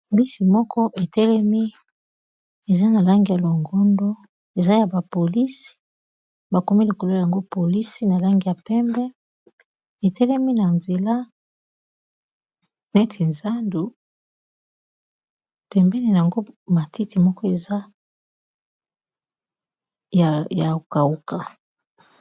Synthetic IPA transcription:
bi˦si˨mɔ˦kʰɔ˦ʔe˨tɛ˦lɛ˦mi˦ | e˨za˦na˨la˦ŋɡi˨ja˨lo˨ŋɡɔ˦ndo˦ | e˨za˦ja˨ba˨po˨li˦si̥˨ | ba˨ko˨mi˦li˨ko˨lo˦ja˨ŋɡo˦po˨li˦si˦na˨la˦ŋɡi˨ja˨pɛ˦mbɛ˦ | e˨tɛ˦lɛ˦mi˦na˨nze˨la˦ | nɛ˦tʰe˨nza˦ndu˨ | pɛ˨mbɛ˦ni˨na˨a˨ŋɡo˦ma˨ti˦ti˨mɔ˦kɔ˦e˨za˦ | ja˨ja˨ka˨u˦ka˨

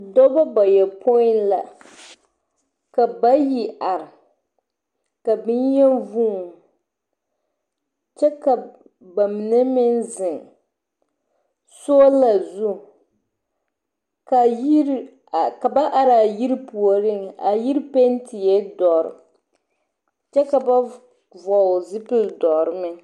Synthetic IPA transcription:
dɔ˦ba˦ba˨jɛ˨pʰo˦ɪ˦nla̰˨ | ka˨ba˦ji˨ʔa˨ɾɪ˨ | ka˨bɪ˦n˦jɛ˦vuː˦˨ | t͡ʃɛ˦ka˨ | ba˨mi˨nɨ˦mɪ˦nzɪ˨ŋ | so˦la˨zu˦ | ka˨˦˨ | ka˨ba˦ʔa˨ɾa˨ji˦ɾpu˨o˨ɾɪ˦ŋa˨ji˦ɾpe˦n˦tʰi˨jɛ˦dɔ˨ɾɪ̰˨ | t͡ʃɛ˦ka˨ba˦ | vɔ˨zɪ˦pɪ˦ldɔ˨ɾɨ˦mɪ˦

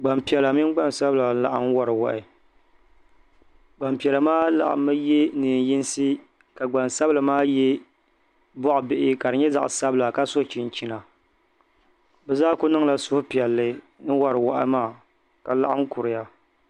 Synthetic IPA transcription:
ɡ͡ba˨mpi˨ɛ˨la˨mi˦n˦ɡ͡ba˦n˨sa˦bla˨˦la˨ʔa˦m˦wa˨ɾɨ˨wa̰˨ʔɪ˨ | ɡ͡ba˨mpi˨ɛ˨la˨maː˦la̰˨ʔa̰˨mːɨ˦jɛ˦nɨː˨nji˦n˦sɨ˦ | ka˨ɡ͡ba˨nsa˦bɨ˦la˨maː˦jɛ˦ | bɔ˦ʔʊ˨bɪ˦ʔɪ˦ka˨ɾɨ˨ɲɛ˦za̰˨ʔsa˦bɨ˦la˨ka˦so˦˨t͡ʃi˨n˨t͡ʃi˦na˨ | bɛ˨zaː˦kʊ˦nɨ˦ŋla˨sʊ˦hʊ˦pi˨ɛ˨lːɨ˨ | nɨ˦wa˨ɾɨ˨wa˦ʔɪ̰˦maː˦˨ | ka˨la̰˦ʔa˦m˦kʊ˨ɾɪ˨ja˦

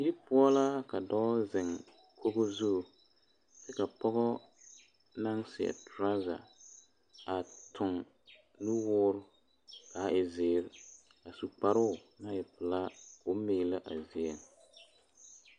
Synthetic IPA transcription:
ji˦pʊ˦ɔ˦la˦ka˨dɔ˦zɪ˨ŋ | kʰo˦ɣo˦zu˦˨ | sɛ˦ka˨pɔ˦ɣɔ˦ | na˦ŋsɪ˨ɛ̰˨tɾa˦za̰˨ | a˨tʰʊ˨ŋ | nu˦wʊː˦ɾʊ˦ | ka˨˦˨ʔɪ˨zɪː˨ɾ | a˨su˨k͡pa˨ɾʊ˦˨ | na˦ɪ˨pʊ˨la˦ʊ˦me˨˦la˦ʔa˨zɪ˨e˨ŋ

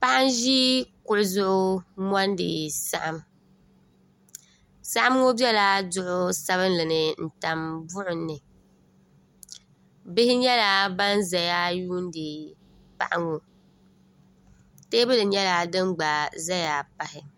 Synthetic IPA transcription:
pa˦ʔɪ˦n˦ʒi˦kʊ˨ʔʊ˨zʊ˦ʔʊ˦mɔ˦n˦dɨ̰˨sa̰˦ʔa˨m | sa˦ʔa˦m˦ŋo˦bɛ˦la˦dʊ˦ʔʊ˦sa˦βɨ˦nlɨ˨nɨ˨n̩˨ta˨mbʊ˦ʔʊ˨nːɨ˨ | bɪ˦hɪ˦ɲɛ˦la˦ba˦n˦za˨ja˦juː˦n˦dɨ˨ | pa̰˨ʔa˦ŋo˨ | te˦bɨ˦lɨ˨ɲɛ˦la˨dɨ˦ŋ͡mɡ͡ba˨za˦ja˨pa˨hɪ˨

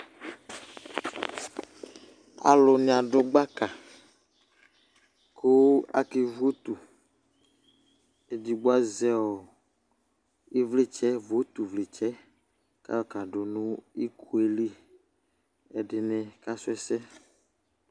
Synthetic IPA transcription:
a̰˨lo˨nĩ˨a˨ɖʊ˦ɡ͡ba˦ka˨ | kʰo˦a̰˦ke˨vo˦t̪u˨ | e˨di˨ɡ͡bo˦a˦zɛ˦wɔ˨ | i˦vle˦t͡ʃɛ˦vo˦t̪u˨vle˨t͡ʃɛ˦ | ka̰˦ɔ˨ka˨ɖo˨nũ˦i˦kʰu˦e˦li˦ | ɛ˨ɖɪ˨nɛ̃˨ka˦sʊ˦ɛ˦sɛ˦

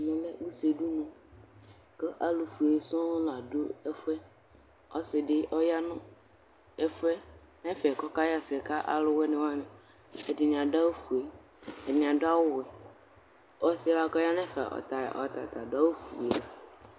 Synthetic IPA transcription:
mẽ˨lɛ˦wu˦se˨ɖu˦nũ˨ | kə˦ʔa˦lu˨fu˨e˨sɔ̃˦la˨ɖo˦ɛ˦fɛ˦ | ɔ˦sɪ˨ɖɪ˦ʔɔ˦ja˦nʊ̃˦ | ɛ˦fɛ˦ | nɛ̃˦fɛ˨kɔ˦ka˦ja˦˨sɛ˨ka˦ʔa̰˨lʊ˦wɛ˦nɛ̃˨wo˦a˦nẽ˨ | ɛ˨dɪ˨nĩ˨ã˨da˦wo˦fu˨e˨ | ɛ˨nĩ˨a˨do˦a˦wʊ˦wɛ˨ | ɔ˦sɪ˦la˨kɔ˦ja˦nɛ̃˦fɛ̰˨ʔɔ̰˨t̪a̰˨ʔɔ̰˨t̪a̰˨t̪a˨da˦wo˦fṵ˨a˨

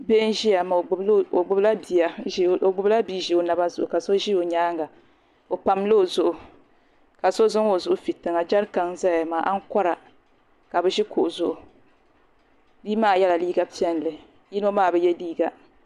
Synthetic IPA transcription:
be˦n˦ʒi˦ja˨ma˨ɡ͡bblo˨ɡ͡bʊ˦bla˦bi˨a˨o˨ɡ͡bʊ˦bla˦biː˦ʒi˨o˨na˨ba˦zʊ˨ʔʊ˨ka˨so˦ʒi˦o˨ɲaː˦ŋɡa˨ | o˨pa˨mlo˦o˨zʊ˨ʔʊ˨ | ka˨so˦zʊ˦ŋo˨zʊ˨ʔʊ˨fi˨tɨ˨ŋa˨d͡ʒa˦ɾka˨ŋza˦˨a˨maː˨ʔa˦ŋ̩˦kɔ˦ɾa˨ | ka˨bɛ˦ʒi˦ko˨ʔzʊ˨ʔʊ˨ | bi˦maː˦˨jɛ˦la˨liː˦ɡa˦pi˦ɛ˦n˨lɨ˨ | ji˦no˦maː˦˨bɛ˨jɛ˦liː˦ɡa˨

